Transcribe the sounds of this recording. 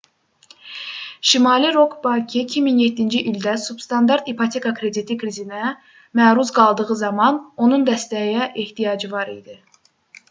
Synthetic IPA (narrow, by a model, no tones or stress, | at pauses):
ʃimɑliɾokʰbɑkʰicʲʰiminjet̪ʰːind͡ʒiʔild̪æsubst̪ɑnd̪ɑɾt̪ipʰɑt̪ʰekʰɑkʰɾe̞d̪it̪ʰikʰɾizinæ | mæːɾuzɡɑlˠd̪ɯʁɯzɑmɑno̞nund̪æst̪æjɛʔeht̪ʰijɑːd͡ʒivɑɾḭjd̪i